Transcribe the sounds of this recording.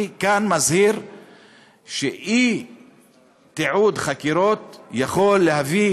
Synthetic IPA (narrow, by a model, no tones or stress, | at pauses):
kanmazhiɾ | ʃeʔi | t̪eʕud̪χakiɾo̞t̪jaχo̞lːehavi